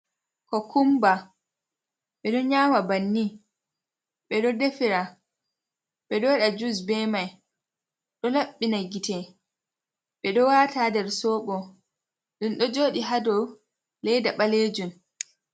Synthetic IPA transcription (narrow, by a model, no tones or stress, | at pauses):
kɔkumba | ɓɛɗɔɲaːmabanːi | ɓɛɗɔdefiɾa | ɓɛɗɔɗad͡ʒusbɛmaj | ɗɔlaɓːinaɡitɛ | ɓɛɗɔwatadɛɾsɔːɓɔ | ɗumɗɔd͡ʒoːɗiɦadɔ | lɛjdaɓaled͡ʒum